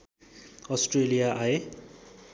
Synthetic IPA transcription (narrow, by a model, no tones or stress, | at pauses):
ɔsʈrelijaʔae